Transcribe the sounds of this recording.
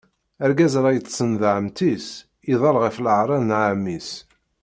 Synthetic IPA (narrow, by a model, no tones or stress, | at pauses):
æɾɡæzɾˤɑjət͡sːsənðʕəmt̪is | iðˤɑlʁəfləʕɾˤɑðnʕamːis